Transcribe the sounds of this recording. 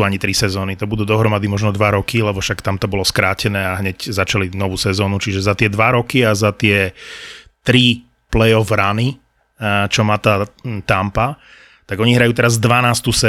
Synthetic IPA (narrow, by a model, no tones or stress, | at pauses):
uaɲit̪ɾisɛzɔːnit̪ɔbud̪uːd̪ɔɦɾɔmad̪imɔʒnɔd̪ʋaɾɔkilɛbɔfʃakt̪amt̪ɔbɔlɔskɾaːcɛnɛːaɦɲɛczat͡ʃalinɔʋuːsɛzɔːnut͡ʃiʒɛzat̪ɪɛd̪ʋaɾɔkiazat̪ɪɛ | t̪ɾi | plɛjɔvɾani | t͡ʃɔmat̪aːt̪ampa | t̪aɡɔɲiɦɾajuːt̪ɛɾazd̪ʋanaːst̪usɛ